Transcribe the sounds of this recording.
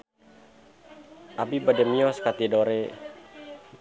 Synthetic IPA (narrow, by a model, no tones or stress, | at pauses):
ʔabibadɛmiɔskat̪idoɾe